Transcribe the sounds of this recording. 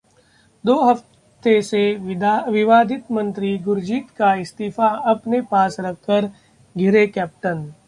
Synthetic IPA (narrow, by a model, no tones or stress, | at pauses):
d̪oːɦɐft | t̪eseʋɪʋaːd̪ʱɪt̪mɐ̃nt̪ɾiɡʊɾd͡ʒiːt̪kaɪst̪iːfaɐpnepaːsɾɐkʰːəɾ | ɡʱɪɾekɛːp̚ʈən